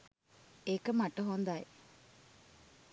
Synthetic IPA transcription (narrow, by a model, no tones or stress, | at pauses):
ekəmaʈəɦond̪aj